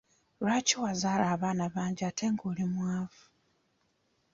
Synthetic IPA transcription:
ɾaciwazaːlaːβaːnaβaːɲɟiatʰe̞ŋɡoːlimwaːvu̥

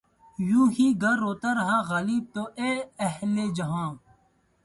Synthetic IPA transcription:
jũːɦiːɡʱɐɾːoːt̪ɐɾɦãːɣɐliːb̚t̪oʔeɐɦled͡ʒɐɦãː

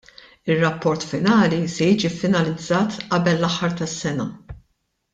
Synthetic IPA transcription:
ɪrːɐpːɔɾt̪fɪnɐːlisɛjiːd͡ʒifːɪnɐlɪd͡zːɐːt̪ʔɐbɛlːɐħːɐɾt̪ɐsːɛnɐ

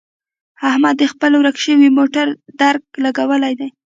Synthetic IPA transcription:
hahmad̪ːəxpəlwɾakʃəwimoʈaɾd̪aɾk̚laɡawəlajd̪aj

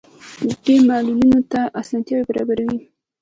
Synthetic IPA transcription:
demɑlulinot̪aʔasɑnt̪jɑwebaɾɑ̰baɾawi

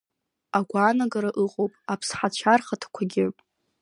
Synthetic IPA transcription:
aɡʷaːnaɡaɾaʔɨqʼowpʼapʰsħat͡ʃʷʰarχatʰḁkʷʰaɡʲɪ

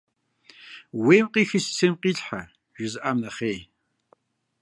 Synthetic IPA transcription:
weːmqʼiːxɨst͡sʰemqiːɬħa̰ | ʒ̥ɪzɨʔamnɐχeː

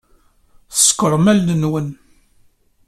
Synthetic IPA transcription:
θə̥skʷəɾˤmælːənwən

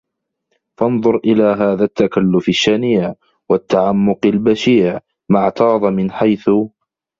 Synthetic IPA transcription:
fɑnðˤʊɾʔɪlaːɦaːðat̪ːakalːʊfaʃːaniːʕ | wat̪ːaʕamːʊqalbaʃiːʕ | maʕt̪ɑːðˤmɪnħajθʊ

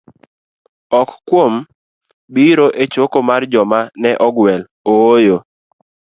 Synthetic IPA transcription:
ɔkkːwom | biɾoʔet͡ʃokomard͡ʒɔmanɛʔɔɡwɛl | ojo

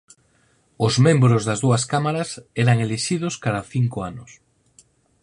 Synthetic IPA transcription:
ʊzmẽmbɾozðazðuaskamaɾaseɾaŋeleʃið̞oskaðaθiŋkoanʊs

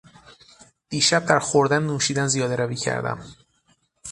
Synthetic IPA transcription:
d̪̥iːʃæb̚d̪æɾxoɾd̪ænːuːʃiːd̪ænzijɒːd̪eɾæviːcʰæ̰ɾd̪æ̰m

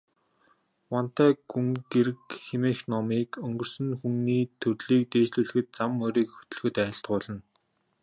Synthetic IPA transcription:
wɔn̥t̪æːɡ̥uŋɡeɾɘ̆kxemeːxnɔmiːkɵŋɡɵ̆r̥sɘ̆ŋxuŋniːt̪ʰɵrɮiːk̚t̪eːt͡ɕɮuːɮ̆xɘ̆t̪̚t͡samːɔɾiːkxɵ̥t̪ɵ̆ɮxɵ̆t̪æːɪ̆ɬt̪̚ɢʊːɮə̆n

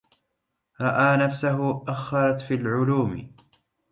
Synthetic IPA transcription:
ɾˤɑʔaːnafsaɦʊʔaxːɑɾˤɑt̪fiːlʕʊluːmɪ̰

